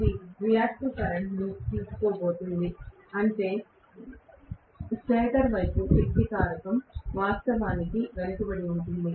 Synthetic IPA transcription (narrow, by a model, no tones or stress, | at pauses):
d̪iɾijaːkʈukɐɾɐɳʈnut̪iːsu̥koːbo̞ːt̪und̪i | ɐɳʈe̞ː | seːd̪ɐɾʋɐjpupik̪ːikaːɾɐkɐmʋaːst̪ɐʋaːnikiʋɐlɐkibɐɽiuɳʈund̪i